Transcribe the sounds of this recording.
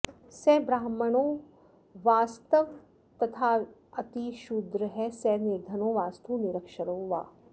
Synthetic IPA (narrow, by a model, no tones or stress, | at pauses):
sɛːbɾaːməɳ̃oː | ʋaːst̪əʋ | t̪ɐt̪ʰaː | ɐt̪iʃud̪ɾəɦɛsɛːnɪɾd̪ʱɐnoːʋaːst̪uːnɪɾəkʃəɾoːʋa̰ː